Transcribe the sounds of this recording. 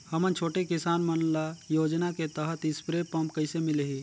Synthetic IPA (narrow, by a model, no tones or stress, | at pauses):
həmənt͡ʃʰoːʈekɪsaːnmənlajoːd͡ʒnaket̪əɦət̪ɪspɾepəmpkəɪsemɪleɦiː